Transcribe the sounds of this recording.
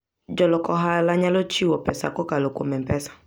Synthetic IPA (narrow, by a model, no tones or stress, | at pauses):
d͡ʒɔlɔkɔɦalaɲalot͡ʃiwɔpɛsa̰kɔkalokʷo̰mɛpɛsḁ